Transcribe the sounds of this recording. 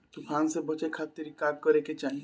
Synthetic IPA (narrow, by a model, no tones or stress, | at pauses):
t̪ukʰansebɔt͡ʃakʰat̪ːeɾikaɡ̚kɔɾeket͡ʃai